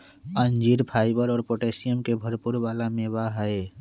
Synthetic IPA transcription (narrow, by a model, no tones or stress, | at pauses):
ənd͡ʒiɾpʰaːɪbəɾɔːɾpoʈeːsijəmkebʱəɾpʊɾbaːlamebaɦəe